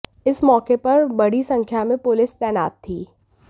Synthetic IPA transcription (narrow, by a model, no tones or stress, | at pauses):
ɪsmɔːkepɐɾbɐɽ̤isɐ̃ŋkʰjamẽpʊlɪst̪ɛːna̰ːt̪ʰːiː